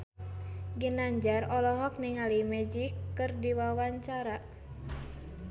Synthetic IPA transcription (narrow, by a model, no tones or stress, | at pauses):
ɡənaɲd͡ʒarɔlɔɦɔk̚niŋalimɛd͡ʒikːɨrdiwawaɲt͡ʃaɾa